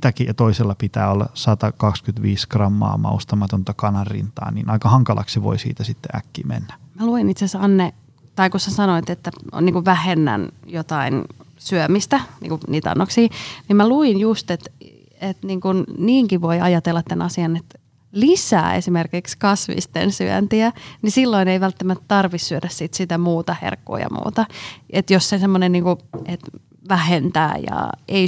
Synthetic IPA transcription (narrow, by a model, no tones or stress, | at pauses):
t̪ækijɑt̪oiselːɑpit̪æ̰ːolːɑ̰sɑt̪ɑkɑkskyt̪ʋiːskrɑmːɑ̰ːmɑ̰ust̪ɑmɑt̪ont̪ɑkɑnɑrrḭnt̪ɑ̰ːnḭːnɑikɑhɑŋkɑlʔɑ̰ksiʋo̰isḭːt̪æsit̪ːeʔækːḭːmḛnːæmæluinit̪sesɑnːe | t̪ɑikussæsɑnoit̪et̪ːæo̰niːŋkuʋʋæhenːæ̰njot̪ɑinsyømist̪ænḭŋkuniːt̪ɑ̰nːoksiːnimmæluinjust̪et̪ | et̪niːŋkunniːŋkiʋoiɑjɑt̪elːɑt̪tænɑsiɑnet̪ | lisæ̰ːḛsimerkikskɑsʋḭst̪ḛnsyø̰nt̪iænisilːoineiʋælt̪ːæmæt̪t̪ɑrʋissyødæssit̪sit̪æmuːt̪ɑhḛrkːṵːjɑ̰mṵːt̪ɑʔet̪jossesemːonenniːŋkuʔet̪ | ʋæhent̪æ̰ːjɑ̰ʔei